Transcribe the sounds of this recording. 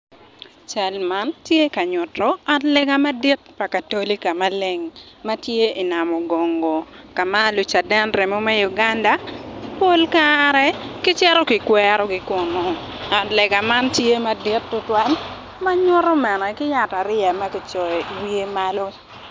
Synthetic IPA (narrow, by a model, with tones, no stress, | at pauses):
t͡ʃa˨lma˦ntje˦ka˨ɲʊ˨tɔ˦a˨tlɛ˨ɡa˨ma˦di˦t̚pa˨ka˨to˦li˦ka˨ma˦le˨ŋma˦tje˦i˨na˨mɔ˨ɡo˨ŋɡo˨ka˨ma˦lʊ˨t͡ʃa˨dɛ˦nɾe˨mo˦mɛ˦ju˨ɡa˦nda˨po˦lkaɾɛ˦kɪ˦t͡ʃɛ˦ɾɔ˦kɪ˨kwɛ˦ɾɔ˦ɡɪ˨kʊ˨nɔ˨ | a˨tlɛ˨ɡa˨ma˦ntje˦ma˨di˦tːʊ˦twa˦n | ma˦ɲʊ˦ɾɔ˦mɛ˨nɛ˨kɪ˦ja˨ta˨ɾɪ˦a˨ma˦kɪ˦t͡ʃɔ˨wi˦e˦ma˦lo˦